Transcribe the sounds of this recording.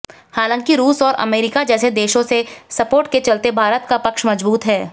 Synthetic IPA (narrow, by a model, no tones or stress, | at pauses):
haːlə̃ːŋkiɾuːsɔːɾʔɐ̰meːɾɪkad͡ʒɛːsed̪eːʃõsesɐpoːɾʈket͡ʃɐlt̪ebʱaːɾət̪̚kapɐkʃmɐzbuːt̪ɦɛː